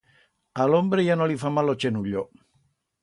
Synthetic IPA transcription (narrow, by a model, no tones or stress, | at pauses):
alombɾejanolifamːalot͡ʃenuʎːo